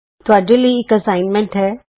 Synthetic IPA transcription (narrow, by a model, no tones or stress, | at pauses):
t̪ʊaːɖeliiɪkɐsaːɪnmẽɳʈɦɛː